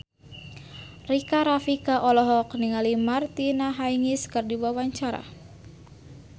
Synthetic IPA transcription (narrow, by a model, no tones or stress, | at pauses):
rikaɾafikaʔɔlɔɦɔkniŋalimart̪inaɦaiŋiskɨrdiwawaɲt͡ʃaɾa̰